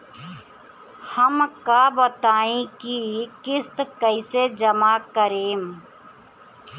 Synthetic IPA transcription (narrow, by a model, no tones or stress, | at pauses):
həmkaːbət̪aːĩːkikɪst̪kəised͡ʒəmaːkəɾeːm